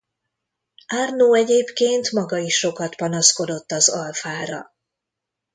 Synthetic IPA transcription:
arnoːɛɟeːpkeːnt̪mɒɡɒiʃːo̞kɒt̪pɒnɒsko̞d̪o̞t̪ːɒzɒlfaːɾɒ̰

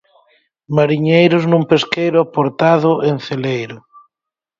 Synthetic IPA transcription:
maɾiɲejɾʊznũmpeskejɾʊapoɾt̪aðʊenθelejɾʊ

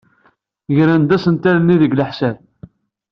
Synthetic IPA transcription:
ʝɾænd̪æsənt̪æɾnːiðəɡləħsæb̚

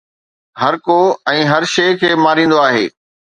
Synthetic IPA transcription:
ɦɐɾkoɛ̃ːɦɐɾʃeːkʰeːmaːɾĩːn̆d̪oaːɦḛː

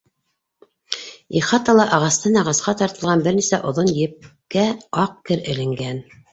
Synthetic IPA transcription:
iχɑt̪ɑlˠɑʔɑʁɑst̪ɑnɑʁɑsqɑt̪ɑɾt̪ɤ̆lʁɑnbɘɾnisæʔŏðonjɘ̆p̚kæɑq̚kɘɾɘ̆lɘ̆ŋɡæn

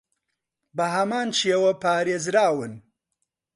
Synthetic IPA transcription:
bɐɦɐmaːnʃeːwɐpʰaːɾeːzɾaːwɨn

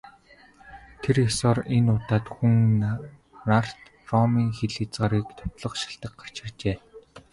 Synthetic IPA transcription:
t̪ʰeresɔːrenʊːt̪aːt̪xuŋ | nar̥t̪ | rɔmiːŋxeɮit͡sɢaːɾiːkt̪ʰɔ̥t̪ɮɞ̆χʃḁɬt̪ə̆k̚ɢḁr̥t͡ɕɪ̆rt͡ɕeː

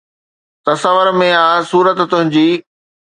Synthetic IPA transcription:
t̪ɐsəʋəɾmẽaːsuːɾət̪t̪ʊɦɪ̃ɲd͡ʑiː

